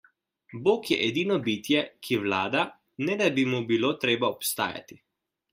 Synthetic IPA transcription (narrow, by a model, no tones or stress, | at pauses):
boːkjɛ̰ʔɛd̪iːnɔbiːt̪jɛkʰiwlaːd̪a | nɛd̪abimubiloːt̪ɾeːbaɔpst̪a̰ːja̰t̪i̥